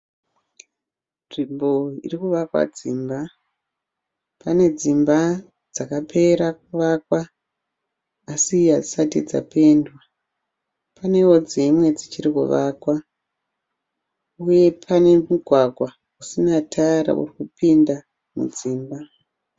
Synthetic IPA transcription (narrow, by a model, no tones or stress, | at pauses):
nʐimbo̞ḭrikuʋakwa̰d͡ziːmba | pane̞d͡zimba | d͡zakapʰe̞ɾak̚uʋakwa | siad͡zisatid͡za̰pe̞ndwa | pane̞wo̞d͡zemwe̞d͡zit͡ʃirikṵʋakwa | uje̞pʰane̞muɡʱwaɡʱwa | usinatʰaɾa̰ʔṵrikupinda | mṵd͡ziːmba